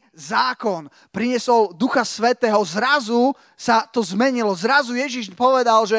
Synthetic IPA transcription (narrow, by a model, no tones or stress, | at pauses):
zaːkɔn | pɾiɲɪɛsɔld̪uxasʋɛt̪ɛːɦɔzɾazu | sat̪ɔzmɛɲilɔzɾazujɛʒiʃpɔʋɛd̪alʒɛ